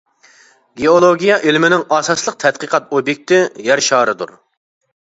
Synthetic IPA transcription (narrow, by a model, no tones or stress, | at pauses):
ɡʲeolˠoɡʲijɑʔelmɪnɪŋɑːsɑslˠəq̚t̪ʰɛt̪̚qʰəqʰɑt̪objek̚ʲt̪ɪjɛɾʃɑːɾɨd̪ṵɾ